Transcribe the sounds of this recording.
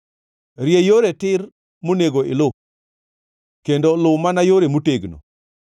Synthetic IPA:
ɾjejoɾetɪr | moneɡoɪ̰lʊ | kendolʊmanajoɾemoteɡno̰

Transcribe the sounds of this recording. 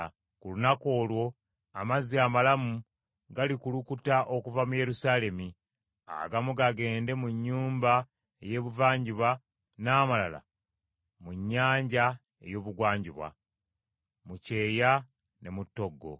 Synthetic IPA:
kulunako̞ːlwo̞ | amaziamalamu | ɡalikulukutaʔo̞kuvamuje̞ɾusaːle̞mi | a̰ɡamuɡaɡe̞ːnde̞muɲːuːmba | eje̞βuvaːɲɟiβwa | naːmala̰la̰ | muɲːaːɲɟa | e̞̰jo̞ːβuɡwaːɲɟiβwa̰ | muce̞ːja | ne̞mutːo̞ɡːo̞̰

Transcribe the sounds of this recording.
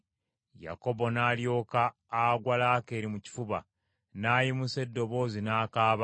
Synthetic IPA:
ja̰ko̞bo̞naːljo̞ːkaː | ɡwalake̞ːɾimuci̥fuβa̰ | naːjimuse̞dːo̞βo̞ːzinaːkaːβa

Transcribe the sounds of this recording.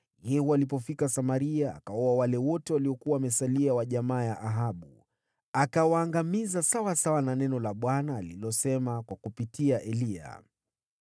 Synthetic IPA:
jɛhualip̬ɔfikasamaɾiaa̰kaɔawalɛwɔtɛwaliɔkuwaːmɛsaliawaʄamaːjaʔaɦaɓu | akawaːŋɡamizasawasawananɛnɔlaɓwanaːlilɔsɛmakwakupitiaʔɛlia̰

